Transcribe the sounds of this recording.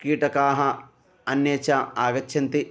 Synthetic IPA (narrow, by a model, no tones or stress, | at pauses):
kiːʈɐkaːɦɐ | ɐnjeːt͡ʃaaːɡɐt͡ʃːʃʰɐnt̪i